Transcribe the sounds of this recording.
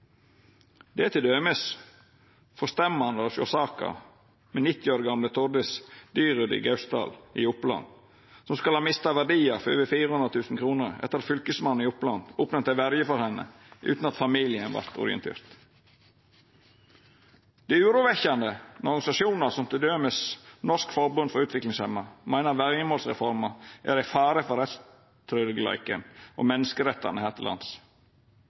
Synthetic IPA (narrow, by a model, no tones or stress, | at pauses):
d̪̥ɛæt̪ʰɪd̪øːməs | fɔst̪ɛmːəɑnɑsɔ̰sɑːkə̰ | menɪt̪ːɪoːɾɡɑmlət̪ʰʊɾɖɪsd̪yːɾʉd̪ɪ̰ɡɑʉst̪ɑ̰ːlʔɪ̰ʊplɑ̰n | sɔmskɑlhɑːmɪst̪ɑʋæɖiːɑfɔø̰ːʋəfiːɾəhʉnʁət̪ʰʉːsn̩kʰɾuːnəɾɛ̰t̪ːəɾɑt̪fʏlkəsmɑnɪʊplɑnd̪uːpnət̪æʋæɾjəfɔɾhɛnːə̰ | ʔʉ̰ːt̪n̩ɑt̪fɑmilɪənʋɑ̰ɾt̪ʰʊ̰ɾɪ̰ə̰nt̪ʰḛːɾt̪ | d̪̥æʉːɾuːʋɛçɑnd̪əɔɾɡɑnɪsɑʃuːnəsɔmt̪ʰəd̪øːməsnɔʂkfɔɾbʉnd̪fɔɾʉːt̪ʋɪklɪŋshɛmːɑmæɪnəɑɾʋæɾjəmoːlsʁɛ̰fɔɾmɑʔæ̰ɾæɪfæːɾəfɔɾɛt̪s | t̪ʰɾød̪əɡlæ̰ɪkə̰nʔo̰ːmɛnːəskəɾɛt̪ʰːɑ̰ɾnəhæːɾt̪ʰɪlʔɑ̰ns